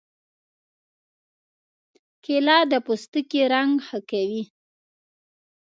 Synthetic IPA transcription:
kelɑd̪əpust̪əkiɾaŋɡxəkawi

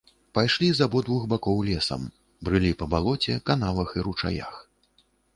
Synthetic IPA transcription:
pajʂlʲizabɔd̪vuxbakɔwlʲɛsɐ̰m | bɾɨlʲipɐbalˠɔt͡sʲɛ̰kanavɐxiɾut͡ʂa̰ja̰x

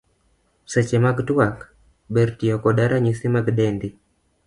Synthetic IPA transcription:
sɛt͡ʃemaɡtwak | beɾtiɔkɔdaɾaɲisimaɡdɛndi

